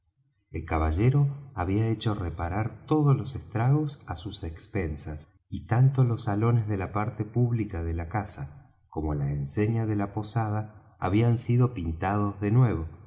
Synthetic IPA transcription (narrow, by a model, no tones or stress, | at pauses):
elkaβ̞aʒeɾo̞aβiaet͡ʃo̞repaɾaɾt̪o̞ð̞ozlo̞sest̪ɾaɣo̞sasusekspensas | it̪ant̪olo̞sːalo̞nezðe̞lapaɾt̪epuβlikaðelakasa | ko̞mo̞laenseɲaðe̞lapo̞sað̞a̰ː | βiansiðopint̪að̞o̞zðe̞nwe̞β̞o̞